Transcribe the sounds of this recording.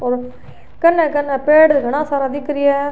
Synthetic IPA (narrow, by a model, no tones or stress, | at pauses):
oːɾ | kɐnːɛ̃ːkɐnɛːpeːɽɡʱɐɽ̃ãːsaːɾaːd̪ɪkːɾɪjɛː